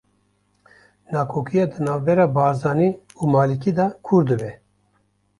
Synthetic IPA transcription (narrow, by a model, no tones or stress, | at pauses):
nɑːkʰoːkʰijɑːd̪ɨnaːvbɛɾɑːbɑːzɑːni | umɑːlikid̪ɑkʰuɾd̪ɨbɛ